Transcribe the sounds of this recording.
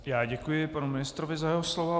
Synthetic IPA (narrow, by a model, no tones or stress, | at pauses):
jaːɟɛkujɪpanumɪnɪst̪ɾovɪzajɛɦoslovo